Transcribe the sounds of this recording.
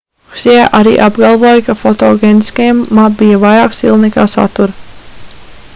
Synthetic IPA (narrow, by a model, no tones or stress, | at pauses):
uksijaʔaɾḭːʔabɡɑlˠvoːjkafɔt̪oːɡʲeːniskajamːabijɐvajɾaːksilˠnikaːsa̰t̪uɾ